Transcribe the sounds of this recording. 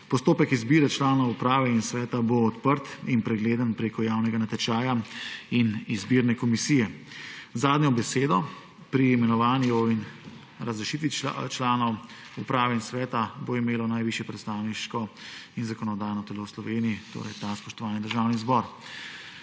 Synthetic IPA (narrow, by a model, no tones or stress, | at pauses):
pɔst̪oːpɛkizbiːɾɛt͡ʃlaːnɔwupɾaːʋɛinsʋɛːt̪aboːt̪pəɾt̪inpɾɛɡleːd̪ənpɾeːkɔjaːwnɛɡanat̪ɛt͡ʃaːjainizbiːɾnɛkɔmisijɛzaːd̪njɔbɛseːd̪ɔ | pɾiːmɛnɔʋaːnjuin | ɾɐzɾɛʃiːt̪ʋḭt͡ʃlaːnɔw | upɾaːʋɛinsʋɛːt̪aboimeːlɔnajʋiʃjɛpɾɛt̪st̪aːwniʃkɔinzakɔnɔd̪aːjnɔt̪ɛlowslɔʋeːnijit̪o̰ːɾɐ̰jt̪aspɔʃt̪ɔʋaːnid̪əɾʒaːwnizbɔɾ